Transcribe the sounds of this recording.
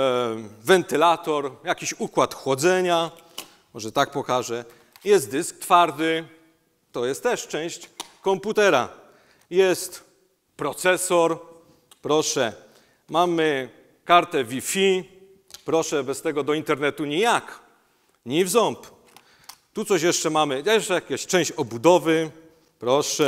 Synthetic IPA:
vɛnt̪ɘlat̪ɔɾjakʲiɕukwat̪xɔd̪zɛɲa | mɔʐɛt̪ak̚pɔkaʐɛ | jɛst̪̚d̪ɘsk̚t̪faɾd̪ɘ | t̪ɔjɛst̪ːɛʂt͡ʂɛ̃w̃ɕt͡ɕkɔmput̪ɛɾa̰ | jɛst̪ | pɾɔt̪sɛsɔɾ | pɾɔʂɛ | mamɘ | kaɾt̪ɛvʲifʲi | pɾɔʂɛbɛst̪ɛɡɔd̪ɔint̪ɛɾnɛt̪uɲijak | ɲivzɔmp | t̪ut̪sɔɕjɛʂt͡ʂɛmamɘjajɛʂt͡ʂɛjakʲaɕt͡ʂɛ̃w̃ɕt͡ɕɔbud̪ɔvɘ | pɾɔʂɛ

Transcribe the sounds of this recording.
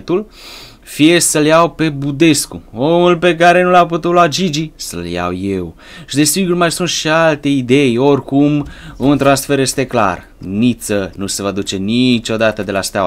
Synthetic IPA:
t̪ul | fije̞səljawpe̞bud̪e̞skuo̞mulpe̞k̬aɾe̞nulaput̪ut̪load͡ʒid͡ʒisə̰lja̰wjew | ʃid̪e̞siɡurmajsunt̪ʃialt̪e̞id̪e̞jo̞rkumunt̪ɾansfe̞ɾje̞st̪e̞kla̰r | nit̪sənuse̞vad̪ut͡ʃe̞nit͡ʃo̞d̪at̪əd̪e̞last̪aw

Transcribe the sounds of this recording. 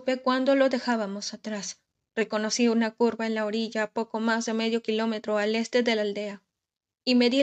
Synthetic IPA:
pe̞kwand̪o̞lo̞ðe̞xaβamo̞sat̪ɾas | re̞ko̞no̞siunakuɾβae̞nlao̞ɾiʝaːpo̞ko̞mazðe̞me̞ðjo̞kilo̞me̞t̪ɾo̞ale̞st̪e̞ðe̞lald̪e̞a | ime̞ði

